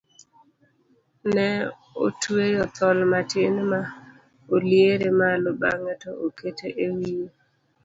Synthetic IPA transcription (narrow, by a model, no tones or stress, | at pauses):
nɛ | o̰twejɔt̪ɔlmatɪnma | oljeɾemaloba̰ŋɛtooketeʔewije